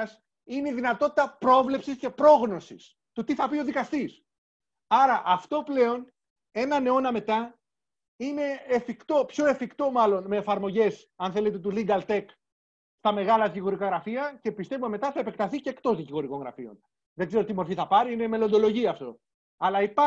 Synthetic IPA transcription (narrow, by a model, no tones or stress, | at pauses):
s | ineiðinɐt̪o̞t̪it̪ɐpɾo̞vle̞psisce̞pɾo̞ɣno̞sḭs | t̪ut̪iθɐpio̞ðikɐst̪is | ɐɾɐʔɐft̪o̞ple̞o̞n | e̞nɐne̞o̞nɐme̞t̪ɐ | ine̞ːfikt̪o̞pço̞e̞fikt̪o̞mɐlo̞nme̞ːfɐɾmo̞ʝe̞s | ɐnθe̞le̞t̪e̞t̪uliŋɡɐlt̪e̞k | st̪ɐme̞ɣɐlɐðiciɣo̞ɾikaɣɾɐfiɐce̞pist̪e̞vumeme̞t̪ɐθɐepe̞kt̪ɐθiceːkt̪o̞zðiciɣo̞ɾiko̞ŋɣɾɐ̰fio̞̰n | ðeɡze̞ɾo̞t̪imo̞ɾfiθɐpɐɾiine̞me̞lo̞nd̪o̞lo̞ʝiɐːft̪o̞̰ | ɐlɐipɐ